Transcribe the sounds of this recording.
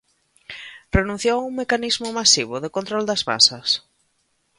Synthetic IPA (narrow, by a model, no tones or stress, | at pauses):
renũn̟θjowuŋmekanizmʊmasiβ̞ʊðɪkont̪ɾɔld̪ɐzβa̰sɐs